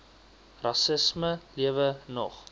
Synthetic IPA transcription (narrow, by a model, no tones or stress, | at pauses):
rɑsəsməliəvənɔ̰χ